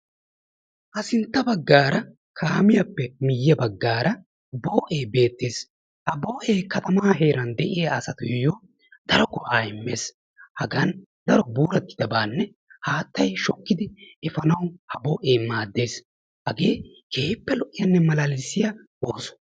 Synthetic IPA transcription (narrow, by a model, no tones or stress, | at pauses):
ʔɐsɪnt̪ːɐbɐɡːaːɾɐ | kʰaːmɪjɐpːɛmɪjːɐbɐɡːaːɾɐ | boːʔe̞ːbe̞ːt̪ːeːs | hɐboːʔeːkɐt̪ɐmaːɦe̞ːɾɐnd̪ɛʔɪjaːsɐt̪ʊjɪjɔ | d̪̥ɐɾɔɡɔʔaːɪmːe̞ːs | hɐɡɐn | d̪ɐɾɔbuːɾɐt̪ːɪ̥d̪ɐbaːnːɛ | haːt̪ːɐjʃɔkːɪd̪ɪɛfɐnɐwhɐboːʔeːmaːd̪ːe̞ːs | hɐɡeː | keːpːɛlɔʔɪjɐnːɛmɐlɐlɪsːɪjɐ | boːsɔ̥